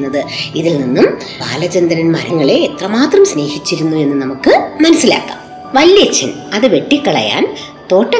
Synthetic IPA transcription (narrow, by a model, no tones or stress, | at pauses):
nːɐðɨiðilninːum | ba̰ːlɐt͡ɕend̪ɐnɐnma̰ːɾɐŋːɐɭe̞ːt̪rɐmaːt̪rɐmsne̞ːhit͡ɕːiɾunːue̞nːɨnɐmukːɨmɐnɐsːila̰ːkːa̰ːm | ʋɐlːjɐt͡ɕːɐn | ɐðɨʋe̞ʈːikːɐɭɐ̰ja̰ːn | t̪o̞ːʈːɐ